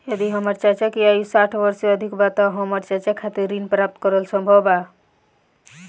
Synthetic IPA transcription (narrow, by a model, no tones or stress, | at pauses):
jəd̪iɦəməɾt͡ʃaɦt͡ʃɛkiajusaʈʰbəɾseəd̪ʱikbat̪ɔɦəməɾt͡ʃat͡ʃɛkʰːat̪iɾːinpɾap̚t̪kɔɾəlsəmbʱəba